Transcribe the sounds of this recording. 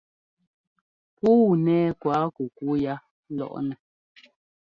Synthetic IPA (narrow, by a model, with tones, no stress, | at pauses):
pu˦˨nɛː˦kwa˨˦ku˨ku˦ja˦ | lɔ̰˦ʔnɛ˨